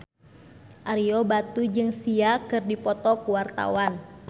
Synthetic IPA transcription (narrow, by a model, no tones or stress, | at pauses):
ʔaɾiɔbat̪ud͡ʒɨŋsiakɨrdipɔt̪ɔkuwart̪a̰wan